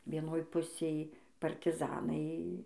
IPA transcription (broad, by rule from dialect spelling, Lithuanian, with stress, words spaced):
ʋʲiɛˈnoːj ˈpʊsʲeːj pɐrʲtʲɪˈzɑːnɐɪ